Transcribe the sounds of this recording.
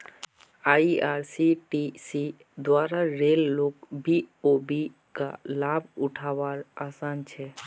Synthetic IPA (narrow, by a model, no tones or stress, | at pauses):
aiaɾsiʈisi | d̪waːɾaɾelːokbiobi | ka̰labʊʈʰaʋaɾasant͡ʃʰɛ